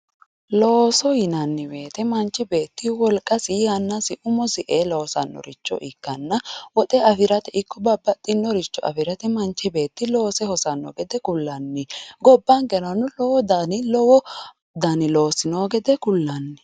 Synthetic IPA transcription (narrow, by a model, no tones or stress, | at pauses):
loːsɔjɪnɐnːɪbe̞ːt̪ɛmɐnt͡ʃːɪbeːt̪ːɪwɔlkʼːɐsihɐnːɐsɪʔʊmɔsɪʔeːloːsɐ̰nːɔ̰ɾɪt͡ʃːɔ̰ʔɪkːɐnːɐwɔt̪ʼɛɐfɪɾɐt̪ɛɪkːɔbɐbːɐt̪ʼːɪnːɔɾɪt͡ʃːɔɐ̰fɪɾɐt̪ɛmɐnt͡ʃːɛbe̞ːt̪ːɪlo̞ːsɛhɔsɐnːɔ̰ɡɛd̪ɛkʊlːɐnːɪɡɔbːɐnɡɛɾɐnːʊlɔwɔd̪anɪlɔwɔ | d̪ɐnɪloːsɪnoːɡɛd̪ɛkʊlːɐnːɪ